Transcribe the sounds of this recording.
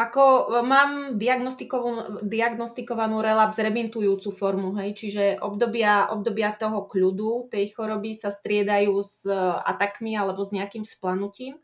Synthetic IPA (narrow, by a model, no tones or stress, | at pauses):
ʔakɔmaːmd̪iaɡnɔst̪ikɔud̪iaɡnɔst̪ikɔʋanuːɾɛlabzɾɛbint̪ujuːt͡sufɔɾmuɦɛjt͡ʃiʒɛʔɔbd̪ɔbɪaʔɔ̰b̚d̪ɔbɪat̪ɔɦɔkʎud̪ut̪ɛjxɔɾɔbisast̪ɾɪɛd̪ajuːza̰t̪akmialɛbɔzɲɛakiːmsplanuciːm